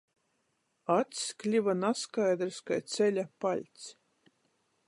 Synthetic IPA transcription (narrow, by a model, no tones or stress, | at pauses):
at̪sklʲivanaskajd̪ɾskajt̪sʲɛlʲapalʲt̪s